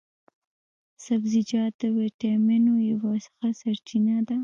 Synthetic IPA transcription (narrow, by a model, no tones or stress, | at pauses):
sabzid͡ʒɑd̪̚d̪əweʈamɪnojawɑsə̥xasaɾt͡ʃinad̪a